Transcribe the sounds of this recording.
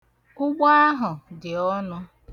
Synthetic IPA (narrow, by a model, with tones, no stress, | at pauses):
ʊ˦ɡ͡ba˦a˦ɦʊ˨dɪ˨ɔ˦nʊ˦